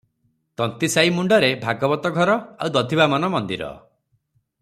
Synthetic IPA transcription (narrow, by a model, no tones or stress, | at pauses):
t̪ɔnt̪isajmuɳɖɔɾebʱaɡɔbɔt̪ɔɡʱɔɾɔawd̪ɔd̪ʱibamɔnɔmɔnd̪iɾɔ̰